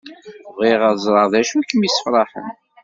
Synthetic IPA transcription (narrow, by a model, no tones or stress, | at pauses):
viʁəðzˤɾˤɑðæʃuækːəmisə̥fɾˤɑħə̰n